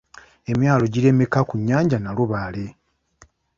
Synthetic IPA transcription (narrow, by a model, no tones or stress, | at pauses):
e̞mjaːlo̞ɟiɾe̞me̞kakuɲːaːɲɟanaluβale̞